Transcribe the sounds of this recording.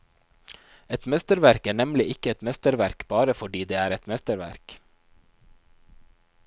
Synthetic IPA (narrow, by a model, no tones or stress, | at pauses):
ɛt̪mɛst̪əɾʋæɾkæːɳɛmlɪʔɪkəɛt̪mɛst̪əɾʋæɾkb̥ɑːɾəfɔɖiːd̪eːæːɾɛt̪mɛst̪əɾʋæ̰ɾk